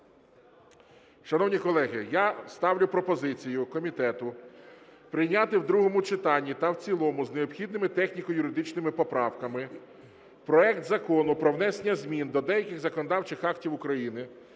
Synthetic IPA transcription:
ʃɐnɔwnʲikɔlˠɛɦɪjast̪ɑwlʲʊpɾɔpɔzɪt͡sʲijʊkɔmʲit̪ɛt̪ʊ | pɾɪjnʲat̪ɪwd̪ɾuɦɔmʊt͡ʃɪt̪ɑnʲːit̪ɐwt͡sʲilˠɔmʊzneɔpxʲid̪nɪmɪt̪ɛxnʲikɔjʊɾɪd̪ɪt͡ʃnɪmɪpɔpɾɑwkɐmɪ | pɾɔɛkt̪zɐkɔnʊpɾɔwnɛsenʲːɐzʲmʲind̪ɔd̪ɛjɐkʲɪɣzɐkɔnɔd̪ɑwt͡ʃɪxɑktʲiwʊkɾɐjinɪ

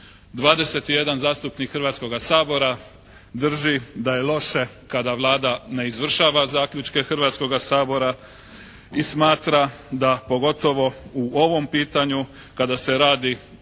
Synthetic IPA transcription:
d̪ʋaːd̪e̞se̞t̪ije̞d̪anzaːst̪upnikxrʋaːt̪sko̞ɡasaːbo̞ɾa | d̪r̩ʒid̪aje̞lo̞ʃe̞ | kad̪aʋlˠaːd̪ane̞izʋr̩ʃaːʋazaːkʎʲut͡ʃke̞xr̩ʋaːt̪sko̞ɡasaːbo̞ɾa | ismaːt̪ɾad̪apo̞ɡo̞t̪o̞ʋo̞uʔo̞ʋo̞mpiːt̪aɲu | kad̪ase̞ɾaːd̪i

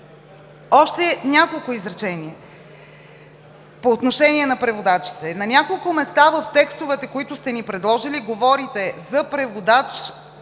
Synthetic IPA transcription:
ɔʃt̪ɛnʲakolˠkʊizɾɐt͡ʃɛniɛ | poːt̪noʃɛnʲiɛnɐpɾɛvod̪at͡ʃi̥t̪ɛnɐnʲakolˠkʊmɛst̪avəft̪ɛkst̪ʊvɛt̪ɛkoit̪ʊst̪ɛnipɾɛd̪lˠɔʒiliɡovɔɾit̪ɛzɐpɾɛvod̪at͡ʃ

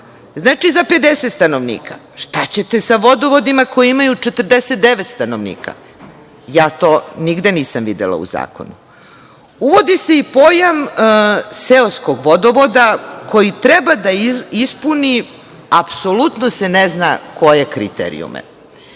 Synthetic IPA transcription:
znaːt͡ʃizape̞d̪eset̪st̪anoʋnḭːkʰa̰ | ʃt̪at͡ɕe̞t̪e̞saʋo̞d̪o̞ʋo̞d̪imako̞jiimajut͡ʃet̪r̩d̪eset̪̚d̪eʋet̪st̪anoʋnḭːkʰa̰ | jaːt̪o̞niɡd̪eniːsamʋid̪ḛlˠa̰ṵza̰ːko̰nu | uʋo̞d̪ise̞ipo̞jam | seoskoɡʋo̞d̪oʋod̪akʰo̞jit̪ɾebad̪aispuni | apso̞lut̪noseneznako̞je̞kɾḭt̪ḛɾḭṵmḛ

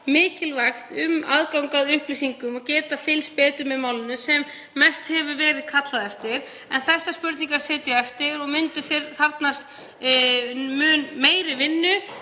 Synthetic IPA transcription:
mɪːcɪlvajxt̪ʏmaðkawŋkaðʏhplisiŋkʏmɔcɛːt̪afɪlspɛːt̪ʏmɛðmaːwlɪnʏsɛmː | ɛjst̪hɛvʏvɛːɾɪðkʰat̪laðɛft̪ɪɾ̥ | ɛnθɛsːaspʏɾt̪niŋkaɾ̥sɛːt̪jʏɛft̪ɪɾɔɣmʏnt̪ɪθɪɾθaɾt̪nast̪ | mʏːnmeːjɾɪvɪnːʏ

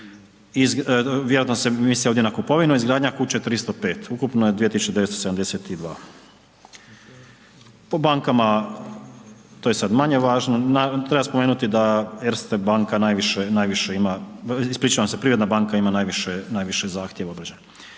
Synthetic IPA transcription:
izʋjeoat̪nosemisioʋd̪jenakupo̞ʋinuizɡɾaːd̪ɲakut͡ɕet̪ɾist̪opeːt̪ukupnojed̪iet̪isu̥t͡ʃed̪eʋest̪osed̪amd̪e̞set̪id̪ʋaː | pobaŋkama | t̪oːjesad̪maɲe̞ʋaːʒnonat̪ɾe̞baspomeːnut̪id̪ajɛɾst̪ebaːŋkanaːjʋiʃenaːjʋiʃeimaispɾiːt͡ʃaʋamsepɾiːɾd̪nabaːŋkaimanaːjʋiʃenaːjʋiʃezaːxt̪jeʋaobɾad͡ʑeɲa

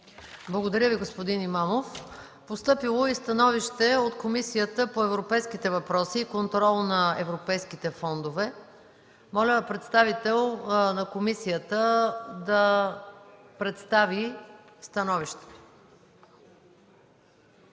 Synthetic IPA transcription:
blˠɐɡod̪ɐɾʲəviɡospod̪inimamof | post̪ɤpilˠoist̪ɐnɔviʃt̪ɛot̪komisijət̪əpoɛvɾopɛjskit̪ɛvɐpɾɔsiːkont̪ɾɔlˠnɐɛ̰vɾopɛjskit̪ɛfɔnd̪ovɛ | mɔlʲəpɾɛt̪st̪avit̪ɛlˠnɐkomisijət̪əd̪ɐ | pɾɛt̪st̪avi | st̪ɐnɔviʃt̪ɛ̥t̪

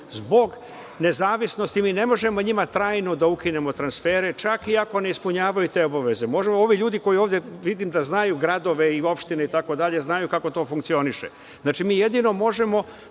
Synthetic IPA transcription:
zbo̞ɡ | ne̞zaːʋisno̞st̪imiːne̞mo̞ʒe̞mo̞ɲimat̪ɾaːjno̞d̪aukine̞mo̞t̪ɾansfe̞ːɾe̞t͡ʃakiako̞neispuɲaːʋajut̪e̞ːobaʋe̞ze̞mo̞ʒemo̞ʋiʎuːd̪iko̞jioːʋdjeʋid̪imd̪aznajuɡɾad̪o̞ʋe̞io̞pʃt̪ineit̪ako̞d̪aʎe̞znajukako̞t̪o̞ːfuŋk̚t̪sio̞niʃḛ | znaːt͡ʃimiːje̞d̪ino̞mo̞ʒe̞mo̞

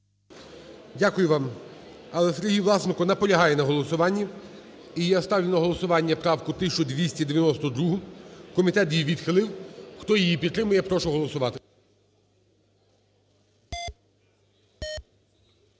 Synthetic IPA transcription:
dʲakʊjʊʋɑm | ɐlˠɛseɾʲɦijʋlˠɑsnɪkɔnɐpɔlʲɐɦɑjɛnɐɦɔlˠɔsʊʋɑnʲːɐ | ijast̪ɑʋjʲʊnɐɦɔlˠɔsʊʋɑnʲːɐpɾɑwkʊt̪ɪt͡ʃʊd̪ʲʋʲisʲtʲid̪eʋʲjɐnɔst̪ɔd̪ɾuɦʊkɔmʲit̪ɛt̪jijʋʲid̪xɪlˠɪwxt̪ɔjijipʲid̪ːɾɪmʊjɛpɾɔʃʊɦɔlˠɔsʊʋɑt̪ɪ̥

